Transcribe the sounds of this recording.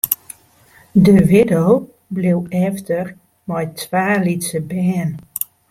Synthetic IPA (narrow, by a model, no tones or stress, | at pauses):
dəʋɪdow | blewɛftər | mɔjtʋaːlitsəbɛːn